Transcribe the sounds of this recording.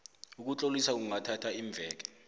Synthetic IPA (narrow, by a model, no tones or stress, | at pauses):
uk̬ut͡ɬʼolisak̬uŋatʰatʰaiɱb̪vʱɛːk̬ɛ̥